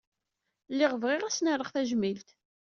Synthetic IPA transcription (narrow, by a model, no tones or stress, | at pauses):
lːɪʁəvʁɪʁæsnəɾˤəχθæʒmilt̪